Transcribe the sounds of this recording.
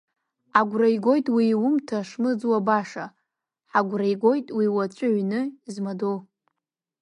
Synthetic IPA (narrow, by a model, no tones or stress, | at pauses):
aɡʷrajɡʷojtʼwiwʊmtʰaʂmɨd͡zwabaʂa | ħaɡʷrajɡʷojtʼwiwat͡ʃʷʼʊʕʷnɨizmadow